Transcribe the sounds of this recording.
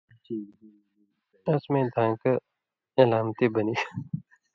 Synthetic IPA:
əsmẽːd̪ʱãːkə | elaːmt̪ibəniː

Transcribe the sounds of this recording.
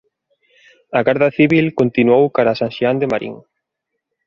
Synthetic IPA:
ɐɣaɾðaθiβilkont̪inuowkaɾasãnʃiand̪emaɾḭŋ

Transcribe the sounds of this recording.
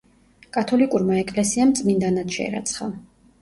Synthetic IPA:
kʼat̪ʰɔlikʼuɾmaɛkʼlɛsiamt̪sʼmind̪anad̪ʃɛ̰ɛ̰ɾa̰t̪sʰχa

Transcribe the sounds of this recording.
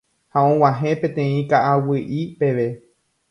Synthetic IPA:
haõw̃ãɦẽ̞pẽ̞t̪ẽ̞ĩkaʔawɨʔipe̞ʋe

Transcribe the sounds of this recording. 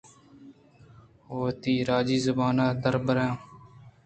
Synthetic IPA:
ɦoːt̪iːɾaːd͡ʒiːzəbaːnaːd̪əɾbəɾãː

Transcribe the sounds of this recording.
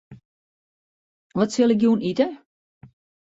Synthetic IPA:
ʋɔtsɪlˠɪkjuːnitə

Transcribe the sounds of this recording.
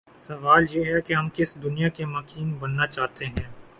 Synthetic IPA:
sɐʋaːljeːɦɛkeɦɐmkɪsd̪ʊnijakemɐkiːnbɐnːat͡ʃaːɦt̪eɦɛ̃ː

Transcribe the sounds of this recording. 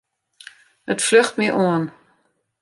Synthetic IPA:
ətfløxtmiʔoən

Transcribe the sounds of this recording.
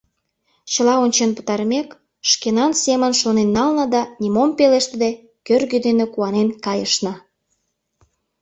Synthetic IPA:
t͡ɕəlɑonʲt͡ɕenpə̥t̪ɑɾmek | ʃkenɑnsemənʃonenːɑlnə̆d̪ɑnʲimompeleʃt̪əd̪e | kørɣød̪enekuɑnenkɑjəʃnə̆

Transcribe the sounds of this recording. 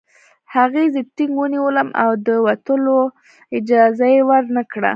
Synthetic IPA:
haɣezət̪iŋɡwəniwələmʔa̰wd̪əwat̪əlo | ɪd͡ʒɑzajewəɾnakɽa̰

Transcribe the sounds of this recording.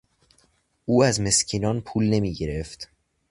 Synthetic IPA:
ʔuːæzme̞scʰiːnɒːnpʰuːlne̞miːɟe̞ɾe̞ft̪

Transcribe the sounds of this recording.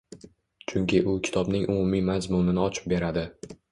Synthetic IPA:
t͡ʃʰʊŋkʲʰɪʔʊkʲʰɪ̥t̪ʰɒbnɪŋʔʊmumimazmʊnɪnɪɒt͡ʃʰɪ̥p̚be̞ɾad̪ɪ

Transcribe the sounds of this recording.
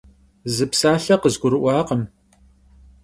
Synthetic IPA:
zɨpsaːɬɐqəzɡʷʊɾɨʔʷɑːqəm

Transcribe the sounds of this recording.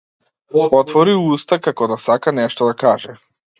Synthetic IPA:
ɔt̪vɔɾiust̪akakɔd̪asakanɛʃt̪ɔd̪akaʒɛ

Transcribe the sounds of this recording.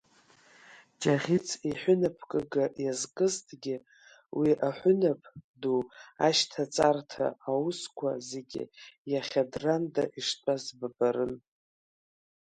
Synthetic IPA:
d͡ʒʼaʁʲit͡sʰʼiħʷʊnapʰkʼɨɡajazkʼɨztʼʰɡʲɪ | wiʔaħʷʊnapʰdua̰ʃtʰat͡sʼartʰa̰ːwuskʷʰaze̞ɡʲɪ̰jaχʲadrandaʔiʂtʷʼazbabaɾɨn

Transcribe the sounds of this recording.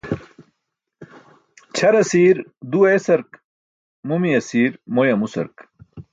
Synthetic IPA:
t͡ɕʰɐɾɐsiːɾd̪uesɐɾk | mumiɐsiːɾmojɐmusɐ̰ɾk

